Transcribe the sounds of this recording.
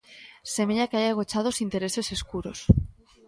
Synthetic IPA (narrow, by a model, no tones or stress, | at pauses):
semeʎakeajaɣ̞ot͡ʃað̞osint̪eɾeseseskuɾos